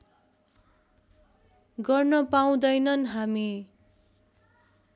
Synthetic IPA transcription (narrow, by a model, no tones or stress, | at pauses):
ɡʌrnʌpaw̃d̪ʌjnʌnɦami